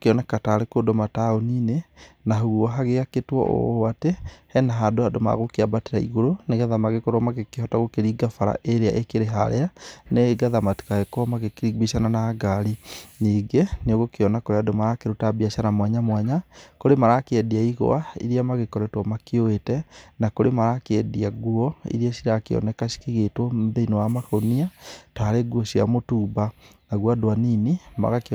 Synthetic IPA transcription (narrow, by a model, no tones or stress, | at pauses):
keɔnakataːɾekodomataoniːnenaɦuɣɔɦaɣeɣaketwɔ̰ʔo̰atehɛnaɦadoadoma̰ɣokeabateɾaḭɣoɾoneɣaðamaɣekɔɾwamaɣekehɔtaɣokeɾiɡafaɾa̰ʔeɾeaʔekeɾeɦaɾeaneɡaðamati̥kaɣekoɔmaɣekeɾiɡiʃananaːɡaɾiniːɡeneoɣokeɔnakoɾeadomaɾakeɾutabiaʃanamwaɲamwɛɲakoɾemaɾakeɛdiaiɣo̰aḭɾiamaɣekɔɾɛtwɔmakeoetɛnakoɾemaɾakɛdiaɡuɔḭɾiasiɾakeɔ̰nɛkaɕi̥kiɣetwɔðeinowamakoniataɾeɡwɔsia̰motuːbanaɣwadoaninima̰ɣak